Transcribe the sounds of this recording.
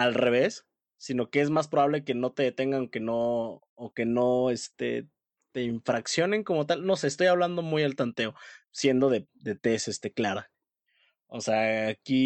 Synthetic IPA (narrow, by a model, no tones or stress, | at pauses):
alre̞β̞e̞sː | ino̞ke̞e̞zmas̬pɾoβaβle̞ke̞no̞t̪e̞ðet̪e̞ŋɡanoke̞no̞ː | ke̞no̞e̞st̪e̞̰ | t̪e̞iɱfɾaksjo̞ne̞ŋko̞mo̞t̪alno̞se̞ːst̪o̞jaβland̪o̞mujalt̪ant̪e̞osje̞nd̪o̞ðe̞d̪e̞t̪e̞se̞st̪e̞klaɾa | ose̞aːki